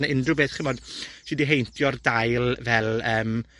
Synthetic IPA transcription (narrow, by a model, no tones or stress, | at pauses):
nəɪndrʊbeːθχɪnmɔd̥ʃɪdiɦejntʰjɔrdajlˠvɛlˠəːm